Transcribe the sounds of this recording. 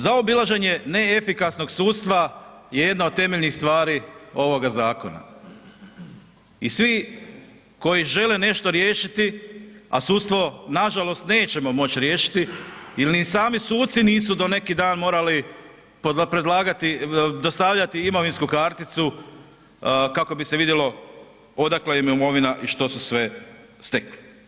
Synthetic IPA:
zaobilˠaʒe̞ɲe̞ne̞efikasno̞ɡsuːt̪st̪ʋa | je̞je̞d̪naod̪̚t̪ːe̞me̞ʎnixst̪ʋaːɾiːo̞ʋo̞ɡazaːko̞̰na̰ | isʋi | ko̞jiʒe̞lene̞ʃt̪o̞ɾje̞ːʃit̪ia̰suːt̪st̪ʋo̞naʒalo̞st̪ne̞ːt͡ɕe̞mo̞mo̞t͡ɕɾje̞ːʃi̥t̪iilnisaːmisuːt̪t̪siniːsud̪o̞ne̞kid̪aːnmo̞ːɾali | popɾed̪lˠaːɡat̪id̪ost̪aʋʎat̪iimo̞ʋinskukaɾt̪it̪su | kako̞bise̞ʋid̪jelo̞ | o̞d̪aklajemiumo̞ʋinaʔiʃt̪o̞susʋe̞ | st̪e̞kli

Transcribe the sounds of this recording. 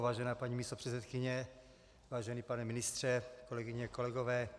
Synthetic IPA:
vaːʒɛnaːpaɲiːmiːst̪opr̥ɛt̪t͡ssɛt̪kɪɲɛ | vaːʒɛniːpanɛmɪnɪst̪r̝̥ɛkolɛɡɪɲɛakolɛɡovɛː

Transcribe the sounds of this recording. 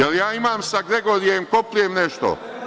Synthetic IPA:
jeljaːimaːmsaɡɾe̞ɡo̞ːɾijemkoplujemneʃt̪o̰

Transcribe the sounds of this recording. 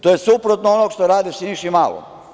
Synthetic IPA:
t̪ojesupɾot̪noonoɡkʃt̪oɾaːd̪isinʃimalo̰

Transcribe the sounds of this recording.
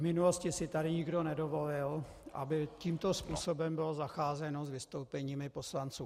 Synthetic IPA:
vmɪnulo̞scɪsɪt̪adɪɲɪɡdo̞nɛdovo̞lɪl | ʔa̰bɪciːmt̪ospuːsobɛmbɪlozaxaːzɛno̞zvɪst̪owpɛɲiːmɪpo̞slant͡suː

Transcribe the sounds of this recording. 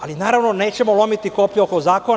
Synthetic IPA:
alinaːɾaʋno̞ne̞ːt͡ɕe̞molˠo̞mit̪ikopʎuokozaːkon

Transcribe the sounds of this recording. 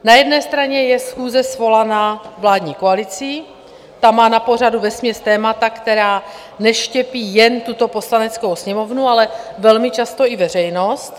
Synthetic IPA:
najɛdnɛːst̪ɾaɲɛjɛsxuːzɛsvo̞lanaːvlaːd̪ɲiːkoalɪt͡sɪ | t̪amaːnapo̞r̝aduvɛsmɲɛst̪ɛːmat̪akt̪ɛɾaː | nɛʃcɛpiːjɛnt̪ut̪o̞poslanɛt͡skowsɲɛmo̞vnualɛvɛlmɪt͡ʃast̪o̞ɪvɛr̝ɛjno̞st̪

